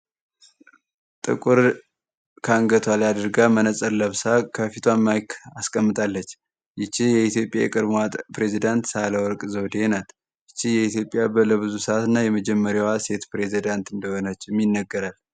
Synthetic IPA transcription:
t̪ʼɨ̰kʼuɾ | kʰaŋɡət̪ʰwalad̪əɾɡamənəsʼəɾləβsakʰəfit̪ʰwamːajkʰaskʼəmːɨt̪ʼalːət͡ʃː | jɪt͡ʃːijɛit̪jo̞pʼja̰jɛ̰kʼɨɾmat̪ʼpɾe̞zid̪ant̪saləwɔɾkʼzəwd̪enat̪ | jɪt͡ʃːijɛit̪jo̞pʼːjabələβɨzusəʔat̪ɨnːajɛməd͡ʒɛmːəɾjawase̞t̪pɾe̞zid̪ant̪ɨnd̪əho̞nət͡ʃːɛmːjinːəɡəɾal

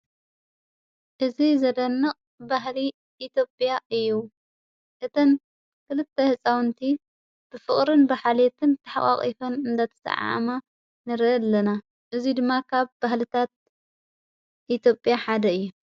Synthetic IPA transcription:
ʔɨzizɐd̪ɐnːɨχʼ | baɦli | ʔːt̪ʰjo̞pʼjaʔɨjːu | ʔɨt̪ʰɐn | kɨlɨt̪ʰːehɨt͡sʼawnt̪ʰi | b̥ɨfɨχʼɾɨnbaħalet̪ʰɨnt̪ʰɐħaχʼa̰χʼḭfɐnɨnd̪at̪ʰɐ̥sɐ̰ʕa̰ma | nɨɾlːɐna | ʔɨzid̪ɨmːakʰaβbahlɨt̪ʰat̪̚ | ʔit̪ʰjo̞pʼjaħad̪ɐɨjːu

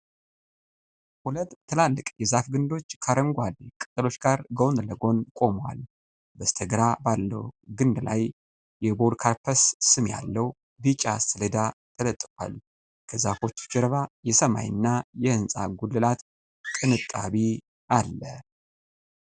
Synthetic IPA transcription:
hulət̪ʼʰːɨlalːɨkʼjɛzafɡɨnd̪o̞t͡ʃːkʰaɾəŋɡʷalkʼɨt̪ʼːɨlo̞t͡ʃːɡaɾɡəwnləɡo̞nkʼo̞mwa̰l | bəst̪ʰəɡɾabalːə̰wɡɨnd̪la̰j | jɛbo̞d̪kʰaɾpʰəssɨmja̰lːəw | bɨt͡ʃʼasɨlɨd̪at̪ʰələt̪ʼːɨkʼwa̰l | kʰəzafo̞t͡ʃːd͡ʒɛɾəβajɛsəma̰jɨnːajɛhɨnsʼa̰ɡulːɨlat̪ | kʼɨnɨt̪ʼːaβi | ʔalːə

